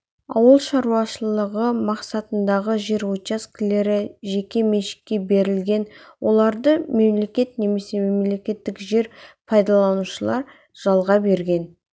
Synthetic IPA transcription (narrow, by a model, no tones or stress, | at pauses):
ɑ̰wəlˠʃɑɾuwɑʃəlˠəʁəmɑqsɑt̪ənd̪ɑʁəʒe̞ɾwot̪askʲɪle̞ɾɪʒe̞kʲe̞me̞ʃɪ̥k̪̚kʲːe̞be̞ɾɪlɡʲe̞nwʔo̞lˠɑɾd̪əme̞mle̞kʲe̞t̪ne̞me̞se̞memle̞kʲe̞t̪ːɪkʒe̞ɾpʰɑjd̪ɑlˠɑnuʃəlˠɑɾ | ʒ̥ɑlˠʁɑbe̞ɾɡʲe̞n